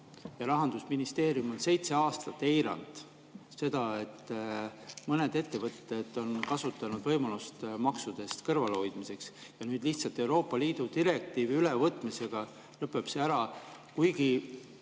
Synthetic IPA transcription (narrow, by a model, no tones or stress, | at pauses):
jɑɾɑɦɑnd̪̥usminist̪e̞ːɾijumo̞nse̞jt̪se̞ɑːst̪ɑt̪ːe̞jɾɑ̰nd̪̥ | se̞d̪̥ɑe̞t̪ː | mɤne̞d̪e̞t̪ːe̞vɤt̪ːˑe̞d̪̥o̞nkɑsut̪ːˑɑnud̪vɤjmɑlust̪mɑksud̪̥e̞st̪kɤrvɑleo̞jd̪̥mise̞ks | jɑnyːd̪liht̪sɑlt̪ːˑe̞wɾo̞ːpːˑɑliːd̪̥ut̪iɾe̞k̚t̪iːviylevɤt̪ːˑmise̞ɡ̥ɑ | lɤpːˑe̞b̥seæɾɑkujɡi